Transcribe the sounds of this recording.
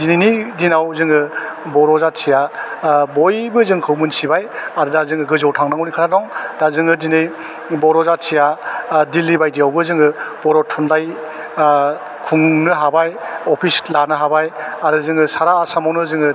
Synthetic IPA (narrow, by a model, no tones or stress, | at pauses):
zinijnidinawzɯŋɯbɔɾɔzasʰijabɔjbɯzɯŋkʰɯwmɯnsibajaɾɯdazɯŋɯɡɯzɔwtʰaŋnaŋwnikʰaɾadɔŋdazɯŋɯdinɯj | bɔɾɔzasʰijadilːibajdijawbɯzɯŋɯb̥ɔɾɔtʰunlaj | kʰuŋnɯɦabajɔpʰislaɾnɯɦabajaɾɯzɯŋɯsaɾaːsamawnɯzɯŋɯ